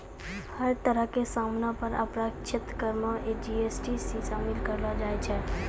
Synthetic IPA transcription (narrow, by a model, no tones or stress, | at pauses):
həɾt̪əɾəɦkesaːmnapəɾə̰pɾakʃʰɪt̪kəɾməed͡ʒiːeːsʈisiʃaːmɪlkəɾlad͡ʒaːet͡ʃʰɛː